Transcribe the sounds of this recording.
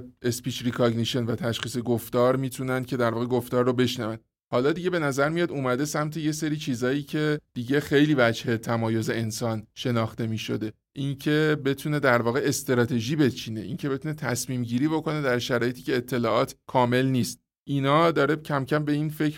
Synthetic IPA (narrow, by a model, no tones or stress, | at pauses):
e̞spiːt͡ʃɾikʰɒɡniʃe̞nvæt̪ʰæʃχiːse̞ɡoft̪ɒːɾmiːt̪ʰunænd̪̚cʰe̞d̪æɾvɒːɣeɡoft̪ɒːɾːobe̞ʃnævæn | hɒːlɒːd̪iɟebe̞næzæɾmijɒːd̪umæd̪e̞sæmt̪ʰeje̞se̞ɾiːt͡ʃʰiːzɒːjiːcʰe̞d̪̥iːɟe̞xejliːvæd͡ʒhe̞t̪ʰæmɒːjo̞ze̞ensɒːnʃe̞nɒːxt̪e̞miːʃo̞d̪e̞ | ʔincʰe̞be̞t̪ʰune̞d̪æɾvɒːɣe̞est̪eɾɒːt̪ʰe̞ʒiːbe̞t͡ʃʰiːne̞ʔḭncʰe̞be̞t̪ʰuːne̞t̪ʰæsmiːmɟiːɾiːbo̞ko̞ne̞d̪æɾʃæɾɒːje̞t̪ʰiːcʰe̞ːt̪ʰːe̞lɒːʔɒːt̪ʰkʰɒːme̞lniːst̪̚ | ʔinɒːd̪ɒːɾe̞cʰæmcʰæmbe̞infe̞c